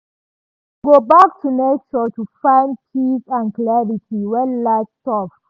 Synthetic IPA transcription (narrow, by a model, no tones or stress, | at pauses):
ɡobak̚tʰunet͡ʃɔtufãɪ̃nt͡ʃisãnklɛɹitʰiwɛlastɔf